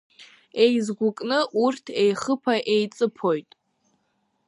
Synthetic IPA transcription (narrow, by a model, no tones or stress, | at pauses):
e̞jzɡʷʊkʼnɨʔurtʰe̞jχəpʰaʔejt͡sʼɨpʰo̞jtʼ